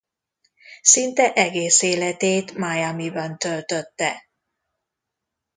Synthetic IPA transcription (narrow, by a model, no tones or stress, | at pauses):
sint̪ɛʔɛɡeːseːlɛt̪eːt̪majamibɒnt̪ølt̪øt̪ːɛ